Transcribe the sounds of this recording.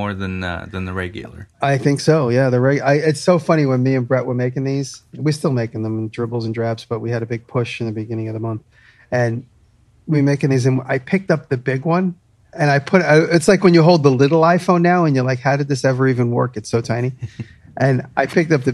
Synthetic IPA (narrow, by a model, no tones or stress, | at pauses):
ɔɹðɨ̃n̰ðɨ̃nðɨɹɛɪɡl̩ˠə̰˞aɪθɪ̃ŋksoʊjæðɨɹɛɡaɪɪtsoʊfʌɾ̃iwə̃nmiɨ̃nbɹɛʔ̚wʔə˞meɪkɪ̃ŋðiz̥wiɹstɪlˠmeɪkɪ̃ŋðə̃m̃n̩dɹɪbl̩ˠz̃ndɹæbz̥b̥ʌt̚wiɨɾɨbɪɡ̚pʰʊʃɨ̃nðɨbɨɡɪ̃ñɪ̃ŋʌvðəmʌ̃nθ | ɨ̃n | wimeɪkɪ̃ŋðizɨ̃naɪpʰɪk̚tʌp̚ðɨbɪɡwʌ̃n | ɨ̃naɪpʰʊɾɨtslaɪkwɨ̃njɨɦoʊlˠd̪̚ðəlɪɾl̩ˠaɪfõʊ̃nːaʊɨ̃njə˞laɪkhaʊɾɨd̪̚ðɪsɛvə˞ivɨ̃nwɜ̰˞kɨtsoʊtʰãɪ̃ɾ̃i | ʔɨ̃nʔaɪpʰɪk̚tʌp̚ðɨ